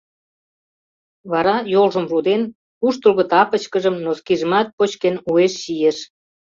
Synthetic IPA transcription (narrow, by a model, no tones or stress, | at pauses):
βɑɾɑjolʒə̆mrud̪en | uʃt̪əlɣə̆t̪ɑpət͡ɕkəʒəmnoskiʒəmɑt̪̚pot͡ɕkenueʃːijeʃ